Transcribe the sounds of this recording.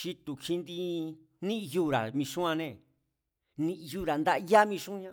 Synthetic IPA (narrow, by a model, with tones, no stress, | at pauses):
ʃi˧t̪u˨kʰi˧nd̪i˧ | nĩ˦ʔju˧˨ɾa̰˨mĩ˧ʂũ˦ã˧nẽ˧˨ | nĩ˧ʔju˧ɾa˨nd̪a˧ʔja˦mĩ˧ʃũ˦˧˦ɲã˦˧